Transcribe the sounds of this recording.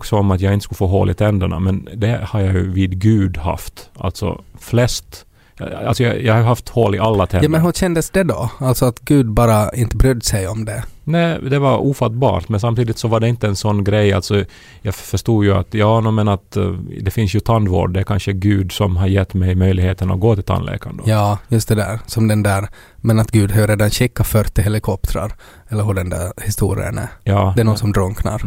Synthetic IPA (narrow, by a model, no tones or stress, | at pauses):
ksɔɔmɑt̪jæɡɪnt̪əskʉləfoːɦo̰ːlʔɪt̪ʰɛnd̪əɳɑ̰mɛnd̪ɛhɑɾjæɪjʉvɪd̪ɡʉːd̪hɑ̰ft̪ʔɑ̰lt̪sɔ̰flɛst̪ | ɑ̰lsɔjjɛɪhɑɾjʉɦɑft̪hɔːlɪʔɑlːat̪ʰɛmɛnɦʉnɕɛnd̪əsd̪ɛd̪ɔalt̪sɔat̪ɡʉːd̪bɑːɾaɪnt̪əbɾʏd̪ːsɛɪɔmd̪ɛnæɪd̪ɛʋɑɾuːfɑt̪bɑ̰ːɾt̪mɛnsɑmt̪iːd̪ɪt̪sɔʋɑɖɛɪnt̪əɛnsɔnːɡɾɛɪɑ̰lt̪sɔ | jɑːfœʂt̪uːjɵa̰t̪jɑːnuːmɛnat̪d̪ɛfɪnsjɵt̪ʰand̪vo̰ːɖdɛæɾkʰanʂəɡʉ̟ːd̪sɔmɦaɾjɛt̪ːmɛjmœʏlɪɡheːt̪əna̰ɡoːt̪ʰɪlt̪a̰nlḛːka̰nd̪əjɑːjɵst̪̚d̪ɛd̪æ̰ːɾsɔmd̪ɛnd̪æɾ | mɛnat̪ɡʉ̟ːd̪hœːɾeːd̪anɕɪkːafœɾt̪ːɪɦɛlɪkʰɔp̚t̪ʰɾa̰ɾ | ɛlːəɾɦɔɖɛnd̪æ̰ɾhɪst̪ṵːɾɪ̰ə̰næ̰ɾjɑːd̪ɛnɔsɔmd̪ɾɔŋkna̰ɾ